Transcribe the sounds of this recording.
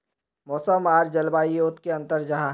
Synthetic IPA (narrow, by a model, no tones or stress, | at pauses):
mɔːsəmaːɾd͡ʒəlbaːijoːt̪keɐ̃nt̪əɾd͡ʒɐɦa